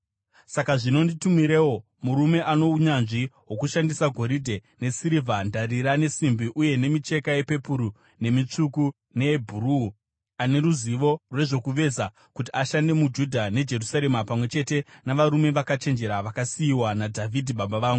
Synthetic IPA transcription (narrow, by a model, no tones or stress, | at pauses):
sakaʐino̞nditumiɾe̞wo̞ | muɾume̞ʔano̞uɲanʐiwo̞kuʃandisaɡʱo̞ɾidʱe̞ne̞siɾivandariɾane̞simbiʔuje̞ne̞mit͡ʃe̞kaje̞pe̞puɾu | ne̞mit͡ʂuku | ne̞ːbʱuru | ane̞ɾuziʋo̞rwe̞ʐo̞kuʋe̞za | kut̬iaʃande̞mud͡ʒudʱane̞d͡ʒe̞rusaɾe̞mapamwe̞t͡ʃe̞te̞naʋaɾume̞ʋakat͡ʃe̞nd͡ʒe̞ɾaʋakasiiwanadʱavʱidʱiɓaɓaʋaːŋɡu